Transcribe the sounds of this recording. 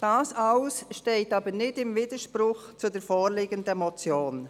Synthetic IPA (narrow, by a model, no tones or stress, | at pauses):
d̥ɑːsaʊsʃteːtɑːbənɪtɪmviːdəʃpɾʊxt͡sudɛːfoːʁliːɡəndəɛmɔt͡sjoːn